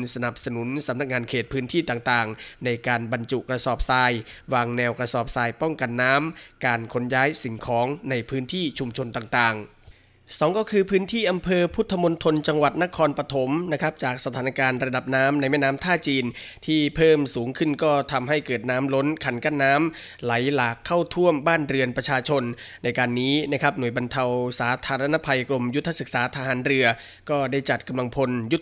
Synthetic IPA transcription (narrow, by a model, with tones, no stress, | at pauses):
sa˧na˨˩p̚sa˧nu˩˦nsa˨˩˦mna˦˥k̚ŋaː˧nkʰeː˨˩t̪̚pʰɯː˦˥nt̪ʰiː˥˩t̪aː˨˩ŋt̪aː˨˩ŋna˧jkaː˧nba˧nt͡ɕu˨˩ʔkɾa˧sɔː˨˩p̚saː˧jwaː˧ŋnɛː˧wkɾa˧sɔː˨˩p̚saː˧jpɔ˥˩ŋka˧nːaː˦˥mkaː˧nkʰo˧˥njaː˦˥jsi˨˩˦ŋkʰɔː˩˦ŋna˧jpʰɯː˦˥nt̪ʰiː˥˩t͡ɕʰu˧mt͡ɕʰo˧nt̪aː˨˩ŋt̪aː˨˩ŋ | sɔː˩˦ŋkɔː˥˩kʰɯː˧pʰɯː˦˥nt̪ʰiː˥˩ʔa˧mpʰɤː˧pʰu˦˥t̪ʰːa˧mo˧nt̪ʰo˧nt͡ɕa˧ŋwa˨˩t̪̚na˦˥kʰɔː˧npɾa˧t̪ʰo˩˦mna˦˥kʰp̚t͡ɕaː˨˩k̚sa˧t̪ʰaː˩˦na˧kaː˧nɾa˧da˨˩p̚naː˦˥mna˧jmɛː˥˩naː˦˥mt̪ʰaː˥˩t͡ɕiː˧nt̪ʰiː˥˩pʰɤː˥˩msuː˩˦ŋkʰɯ˥˩nkɔː˥˩t̪ʰa˧mɦa˥˩jkɤː˨˩t̪̚naː˦˥mlo˦˥nkʰa˨˩˦nka˥˩nːaː˦˥m | la˩˦jlaː˨˩kʰːa˥˩wt̪ʰu˥˩əmbaː˥˩nɾɯ˧ənpɾa˧t͡ɕʰaː˧t͡ɕʰo˧nː | a˧jkaː˧nːiː˦˥na˦˥kʰa˦˥p̚nu˨˩əjba˧nt̪ʰa˧wsaː˩˦t̪ʰaː˧ɾa˧na˦˥pʰa˧jkɾo˧mju˦˥t̪ʰːa˧sɯ˨˩k̚saː˩˦t̪ʰa˧ɦaː˩˦nɾɯ˧ɐ | kɔː˥˩daː˥˩jt͡ɕa˨˩t̪̚ka˧mla˧ŋpʰo˧nju˦˥